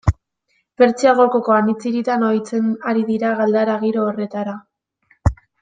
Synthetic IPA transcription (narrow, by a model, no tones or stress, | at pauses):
fe̞ɾt͡siaɣoko̞ko̞anit͡siɾit̪anojt͡se̞naɾiðiɾaɣald̪aɾaɣiɾo̞ːre̞t̪aɾa